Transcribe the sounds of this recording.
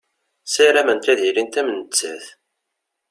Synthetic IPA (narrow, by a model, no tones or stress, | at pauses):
sæɾæmənt̪æðiɾint̪æmənət͡sːæ̰θ